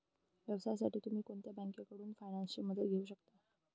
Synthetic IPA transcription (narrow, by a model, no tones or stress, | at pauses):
ʋjəʋsajsaʈiːt̪um̤iːkoɳt̪jabaŋkjakəɽuːnfajnãnsəməd̪ʱət̪̚ɡʱeuːɕək̚t̪a